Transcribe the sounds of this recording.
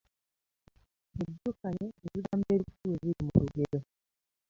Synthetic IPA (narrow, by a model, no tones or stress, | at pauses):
eβokaleːβiɾaːmbeːɾikutuweβiɾimṵɾuɡeɾo